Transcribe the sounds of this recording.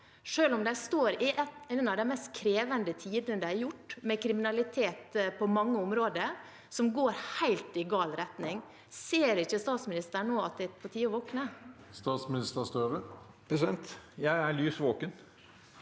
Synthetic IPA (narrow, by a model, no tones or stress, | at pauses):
ʂøːlɔmd̪æɪst̪oːɾɪʔɛɛnɑʋd̪æɪmɛst̪kʰɾeːʋənd̪ət̪ʰiːd̪ənəd̪æɪɾjʊʈːmɛkʰɾɪmɪnɑlɪt̪ʰeːt̪pʰɔmɑŋːəʊmɾoːd̪ə | sɔmɡoːɾhæɪlt̪ɪɡɑːlɾɛt̪nɪŋ | seːɾɪçəst̪ɑːt̪smɪnɪst̪əɳoːɑt̪̚d̪æt̪pʰɔt̪ʰiːɔʋoːknəst̪ɑːt̪smɪnɪst̪əst̪øːʋə | psɛnt̪jæɪæɭyːsʋoːkən